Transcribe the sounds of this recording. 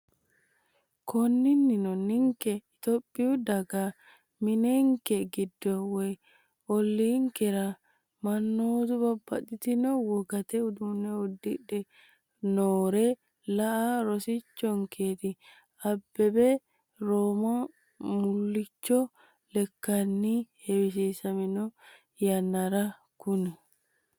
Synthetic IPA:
kʰɔnːɪnːɪnɔnːɪŋkɛɪt̪ɔpʼːɪʊd̪ɐɡa | mɪneŋkɛɡɪd̪ːɔwɛj | ɔlːiːŋkɛɾa | mɐnːoːt̪ʊbɐbːɐt̪ʼːɪt̪ɪnɔwɔɡɐt̪ɛʊd̪ʊnɛɔd̪ːɪᶑɛ | noːɾɛ | lɐʔaɾɔsɪt͡ʃːɔŋkʰeːt̪ɪ | ɐbːɛbɛ | ɾoːmɐ | mʊlːɪt͡ʃːɔ | lɛkːɐnːihɛbɪs̬iːsɐmɪnɔ | jɐnːɐɾɐ | kʊnɪ

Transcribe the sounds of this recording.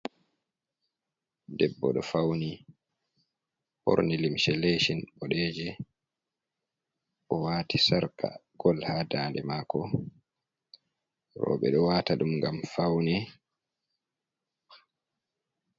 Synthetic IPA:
dɛbːɔɗɔfawni | hɔ̰ɾnilimʃɛleʃinɓɔɗɛːd͡ʒɛ | ʔɔwaːtisaɾkʰa̰ɡ̥ɔlhaːdaːndɛmaːkɔ | ɾɔ̰ːɓɛɗɔwaːtaɗumŋɡamfawnɛ

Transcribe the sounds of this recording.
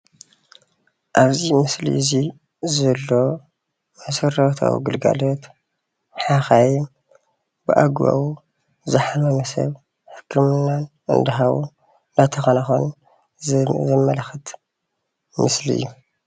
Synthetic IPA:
ʔaβzimɨslḭzi | zɐlːo̞ | mɐsɐɾɐt̪ʰa̰wḭɡɨlɡa̰lot̪ | ħaxajm | bɨʔaɡβa̰wu | zɨħamɐmɐsɐ̰β | ħɨ̥kʰːɨmɨnːanʔɨ̰nd̪ɐɦawṵ | nd̪ɐt̪ʰɐxɐnɐxo̰n | zɐmːɐlɐxɨt̪ | mɨslḭɨ̰jːu

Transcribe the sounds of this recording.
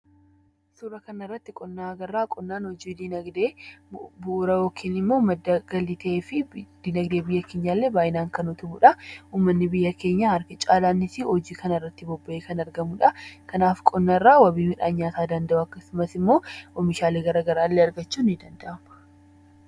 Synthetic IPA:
suːɾɐkɐnɐɪrːɐt̪ːɪkʼɔnːaːɐɡɐrːaːkʼɔnːaːnhɔd͡ʒiːd̪inɐɡd̪eːbʊʔːɾɐwoːkʰːɪnɪmːoːmɐd̪ːɐɡ̥ɐliːt̪ɐʔeːfɪd̪iːnɐɡd̪e̞ːbɪjːɐke̞ːɲːaːlːe̞ːbaːjɪnaːŋkɐnʊt̪ʊbʊᶑɐuːmːɐnːɪbɪjːɐke̞ːɲːahɐɾkɪt͡ʃʼaːlaːnːɪsɪɔd͡ʒiːkɐnɪrːɐt̪ːɪbɔbːɐʔeːkɐnɐɾɡɐmuᶑɐkɐnaːfkʼɔnːɐrːaːwɐbiːmɪᶑaːɲːɲaːt̪aːd̪ɐnd̪ɐʔuɐkːɐsʊmɐsɪmːo̞ːʔɔmɪʃaːleːɡɐɾɐɡɐɾaːlːeːɐɾɡɐt͡ʃːuːnːɪd̪ɐnd̪ɐʔɐmɐ

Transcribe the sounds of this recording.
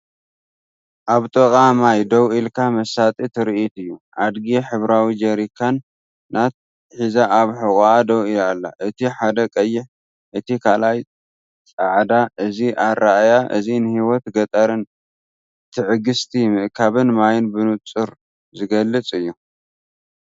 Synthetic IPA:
ʔaβt̪ʼɐkʼamajd̪ɐwʔilkʰamɐsat̪ʼit̪ʰɨɾiit̪ɨjːuʔad̪ɡiħɨβɾawid͡ʒɐɾikʰːanː | at̪̚ | ħizaʔaβħɨkʼaad̪ɐwilalːa̰ʔɨt̪ʰiħad̪ɐkʼɐjːɪħ | ʔɨt̪ikʰalaj | t͡sʼaʕd̪aʔɨziʔaɾaʔajaʔɨ̰zinɨhiwɔt̪ɡɐt̪ʼɐɾɨn | t̪ʰɨʕɨɡɨst̪ʰimɨʔkʰaβɨnmajɪnbɨnut͡sʼɨɾ | zɨɡɐlːɨt͡sʼɨjːu

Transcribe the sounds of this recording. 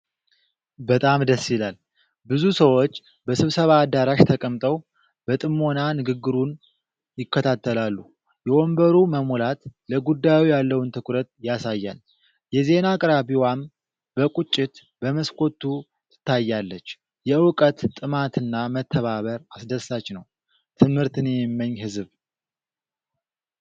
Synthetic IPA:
bət̪ʼamd̪əsːilal | bɨzusəwo̞t͡ʃː | bəsɨβsəβaːd̪aɾaʃt̪ʰəkʼəmt̪ʼəw | bət̪ʼɨmːo̞nanɨɡɨɡːɨɾun | jɪkːət̪ʰat̪ːəlalːu | jɛʔo̞mbəɾuməmolat̪ləɡud̪ːajwijalːəwnt̪ʰɨkʼɾət̪jasajːa̰l | jɛze̞nakʼɨɾabiwam | b̥əkʷʼut͡ʃʼːɪt̪ | b̥əməskʰʼo̞t̪ʰːu | t̪ʰɨ̥t̪ʰːajːalːət͡ʃː | jɛɨwkʼət̪ʼːɨmat̪ʰɨnːamət̪ʰːəβaβəɾasd̪əsat͡ʃːnəw | t̪ʰɨmhɨɾt̪ʰɨnɛmmːəɲːhɨzβ

